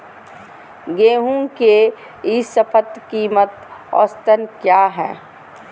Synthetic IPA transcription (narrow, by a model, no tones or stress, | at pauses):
ɡeːɦũŋke | isəpʰət̪kiːmət̪ɔ̰ːst̪ənkjaːɦɛ̰ː